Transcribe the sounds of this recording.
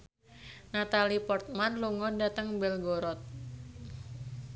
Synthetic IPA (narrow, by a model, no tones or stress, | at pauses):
nat̪alipɔrt̪̚manluŋɔdat̪əŋbɛlɡɔɾɔt̪̚